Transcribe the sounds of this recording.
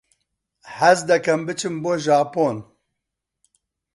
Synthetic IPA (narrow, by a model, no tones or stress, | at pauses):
hæzd̪ɛkɛmbɨt͡ʃʰɨmboːʒaːpoːn